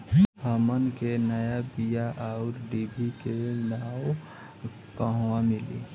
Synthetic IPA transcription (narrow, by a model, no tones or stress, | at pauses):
həmənkenəjabijaʔaʊɾɖibʱikenaw | kəɦwamɪlḭ